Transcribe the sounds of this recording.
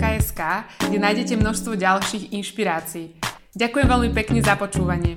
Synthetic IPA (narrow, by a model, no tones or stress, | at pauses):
kaɛskaːɡdɛnaːjɟɛcɛmnɔʃst̪ʋɔɟalʃiːɣinʃpiɾaːt͡siː | ɟakujɛmʋɛlmipɛkɲɛzapɔt͡ʃuːʋaɲɪɛ